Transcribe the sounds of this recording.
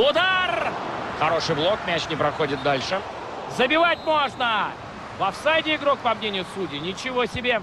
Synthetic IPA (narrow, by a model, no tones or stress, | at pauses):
ʊd̪arxɐɾo̞ʂɨjblˠo̞kmʲæt͡ɕnʲɪpɾɐxo̞dʲɪt̪̚d̪alʲʂɨ | zəbʲɪvatʲmo̞ʐnə | vɐfsajtʲɪɪɡɾok̚pɐmnʲenʲɪjʊsudʲɪnʲɪt͡ɕɪvosʲɪbʲe